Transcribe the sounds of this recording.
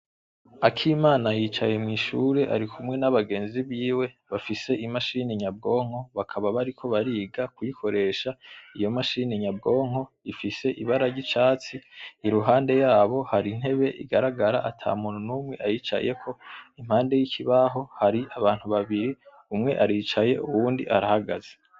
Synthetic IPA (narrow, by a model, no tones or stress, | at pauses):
akʰimaːnajiːt͡ʃaje̞mŋiːʃuɾe̞ʔa̰ɾikʰumŋe̞naβaɡe̞ːnziβiːwe̞ | βafise̞ʔimaʃiːniɲab̚ɡo̞ːŋ̥ho̞βakʰaβaβaɾikʰo̞βaɾiːɡakujikʰo̞ɾe̞ːʃaijo̞maʃiːneɲab̚ɡo̞ːŋ̥o̞ | ifise̞ʔiβaɾaɟit͡ʃaːt͡siːɾuɦaːnde̞jaːβo̞haɾin̥he̞βe̞ʔḭɡaɾaɡaɾaʔatʰa̰ːmuːn̥hunumŋe̞̰ʔajit͡ʃa̰je̞kʰo̞im̥haːnde̞jicʰiβaɦo̞haɾiaβaːn̥huβaβiɾi | umŋe̞ʔaɾiːt͡ʃaje̞uβuːndḭʔaɾahaɡaz̥e